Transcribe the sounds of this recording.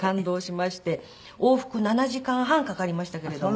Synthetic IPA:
kãnd̪o̞ːɕimaɕi̥t̪e̞ | oːɸɯ̟̥kɯ̟nanaʑikãɰ̃ɦãŋkakaɾʲimaɕi̥t̪ake̞ɾe̞d̪o

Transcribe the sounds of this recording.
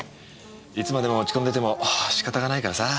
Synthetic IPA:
it͡sɨmad̪e̞mo̞ot͡ɕi̥kond̪et̪e̞mo̞ʔɕi̥kat̪aɡanaikaɾasa

